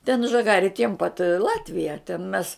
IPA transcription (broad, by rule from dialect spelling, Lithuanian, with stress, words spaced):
tʲɛn ʒɐˈɡɑːrʲɪ tʲiɛm pɐt ɪ ˈlˠɑːtʲʋʲɪjɛ tʲɛn mʲɛs